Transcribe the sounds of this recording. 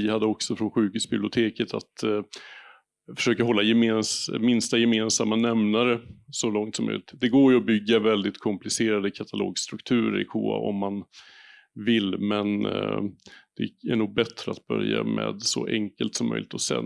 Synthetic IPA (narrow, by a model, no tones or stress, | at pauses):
ɪhad̪ːəɔksɔfɾɔnɧʉ̟ːkʉ̟ːsbɪblɪʊt̪ʰeːkət̪ʰa̰t̪ | fœ̥ʂøːkaɦɔlːajɛmeːnsmɪnst̪ajɛmeːnsamːanɛmnaɾəsɔlɔŋt̪sɔmːœ̰jlɪt̪d̪ɛɡoːɾjɵɔbʏɡːavɛld̪ɪt̪kʰɔmplɪseːɾad̪əkʰat̪ʰalo̰ːɡst̪ɾɵkt̪ʰʉ̟ːɾəɾɪ̰kʰuːa̰ʔɔ̰mːan | vɪlːmɛn | d̪̥ɛæɳuːɡ̚bɛt̪ɾəat̪̚bœ̰ɾja̰mɛ̰ːd̪sɔ̰ʔɛŋkəlt̪sɔmːœ̰jlɪt̪ɔsɛ̰n